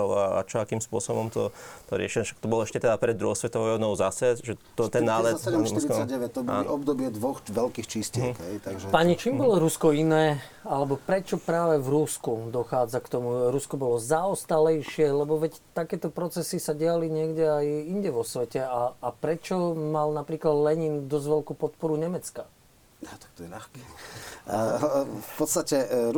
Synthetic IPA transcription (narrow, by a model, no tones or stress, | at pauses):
ɔaa̰t͡ʃɔakiːmspʊɔsɔbɔmt̪ɔt̪ɔɾɪɛʃilʃḁk̚t̪ɔbɔlɔɛʃcɛt̪ɛd̪apɾɛd̪d̪ɾuɦɔsʋɛt̪ɔʋɔjɔnɔʊzasɛʒɛt̪ɔt̪ɛnːaːlɛɾiaɛʋɛt̪ɔbɔaaːnɔɔbd̪ɔbɪɛd̪ʋɔxʋɛlkiːxt͡ʃiscɪɛkɦɛjt̪aɡʒɛpaɲit͡ʃiːmbɔlɔɾuskɔinɛː | alɛbɔpɾɛt͡ʃɔpɾaːʋɛvɾuskud̪ɔxaːd͡zakt̪ɔmuɾuskɔbɔlɔzaɔst̪alɛjʃɪɛlɛbɔʋɛc | t̪akɛːt̪ɔpɾɔt͡sɛsisaɟɪaliɲɪɛɡɟɛajiɲɟɛʋɔsʋɛcɛaːpɾɛt͡ʃɔmalnapɾiːklad̪lɛɲiːnd̪ɔzʋɛʎkuːpɔt̪̚pɔɾuɲɛmɛt͡ska | at̪ḁk̚t̪ɔjɛlaxkɛ | fpɔt̪st̪acɛ